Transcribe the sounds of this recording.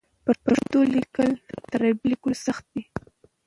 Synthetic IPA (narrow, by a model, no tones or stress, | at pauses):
pəɾpaʂt̪olikəlt̪aɾablikulsaxt̪̚d̪i